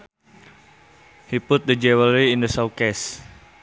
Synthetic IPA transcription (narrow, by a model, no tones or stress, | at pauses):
hipʊt̪̚d̪əd͡ʒɛwəliɪndəsawkɛs